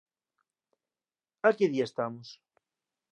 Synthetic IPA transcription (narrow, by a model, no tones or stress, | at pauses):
akeðiaest̪amos